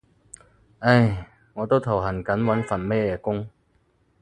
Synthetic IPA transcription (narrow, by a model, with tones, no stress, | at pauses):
ʔe˧˩j | ŋɔː˨˧t̪o˥wt̪ʰɐ˨˩wɦɐ˨˩nkɐ˨˥nwɐ˨˥nfɐ˨˩nmɛː˥jɛː˧kʊ˥ŋ